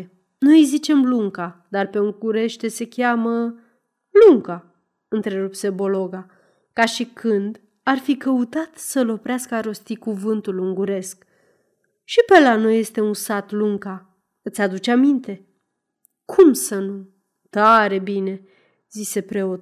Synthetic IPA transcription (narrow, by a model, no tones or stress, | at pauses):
nojzit͡ʃe̞mluŋkad̪arpe̞uŋɡuɾe̞ʃt̪e̞se̞kʲamə | luŋka | ɨnt̪ɾe̞ɾupse̞bo̞lo̞ɡa | kaʃikɨnd̪ | arfikəut̪at̪səlo̞pɾeaskəaɾo̞st̪ikuvɨnt̪uluŋɡuɾe̞sk | ʃipe̞lano̞jːe̞st̪e̞unsat̪luŋka | ɨt̪sʲad̪ut͡ʃeamint̪e̞ | kʰumsənu | t̪aɾe̞bine̞ | zise̞pɾe̞o̞t̪